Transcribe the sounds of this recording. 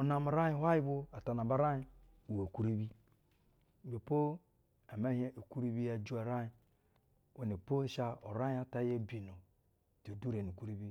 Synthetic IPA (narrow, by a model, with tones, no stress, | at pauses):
o˨na˨ma˨ɾa˦ji˦hʷa˦ji˦bo˦a˨ta˨na˨ba˦ɾa˦ji˦ | u˨we˨ku˦ɾi˦bi˦˨ | be˨po˦ | a˨me˦he˦o˨ku˦ɾi˦bi˦ja˨d͡ʒu˦a˨ɾa˦ji˦ | we˨ne˨po˦ʃa˦o˨ɾa˦a˦ta˦je˦bi˨no˨ | to˨du˦ɾe˨nu˨ku˦ɾi˦bi˦